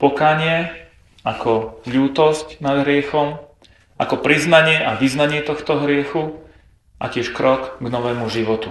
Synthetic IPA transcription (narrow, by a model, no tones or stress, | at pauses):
pɔkaːɲɪɛ | akɔʎuːt̪ɔscnad̪ɦɾɪɛxɔm | ʔakɔpɾiznaɲɪɛʔaʋiznaɲɪɛt̪ɔxt̪ɔɦɾɪɛxu | ʔa̰cɪɛʃkɾɔkɡnɔʋɛːmuʒiʋɔt̪u